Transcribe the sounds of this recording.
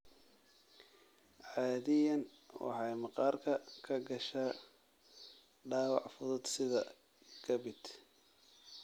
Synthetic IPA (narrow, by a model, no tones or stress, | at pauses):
ʕɑːðɪjɐn | wɑ̰ħɑjmɑqɑːrkʰɐkʰɐɡɐʃaː | ɖɑːwɑ̰ʕfʊðʊd̪sɪðɐ̰ | kʰɐbɪd̪̥